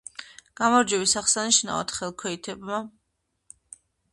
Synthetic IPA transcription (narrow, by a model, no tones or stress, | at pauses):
ɡ̥amɔɾd͡ʒɛwisaχsaniʃna̰va̰t̪ʰχɛlˠkʰɔit̪ʰɛbma